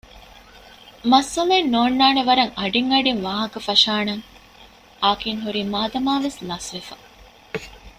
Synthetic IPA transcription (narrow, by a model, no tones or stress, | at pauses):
mɐsːɐlenːoːnːaːneʋɐɾɐŋɐɖiŋɐɖiŋʋaːɦɐkɐfɐʃaːnɐŋ | aːkiŋɦuɾiːmaːd̪ɐmaːʋeslɐsʋefɐ̥